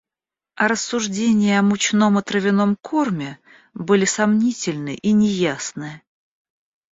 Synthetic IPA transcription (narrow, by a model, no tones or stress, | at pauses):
ɐɾəsːʊʐdʲenʲɪjəɐmʊt͡ɕno̞mɐt̪ɾəvʲɪno̞mkʰormʲɪ | bɨlʲɪsɐmnʲitʲɪlʲnɨʔinʲɪjasnɨ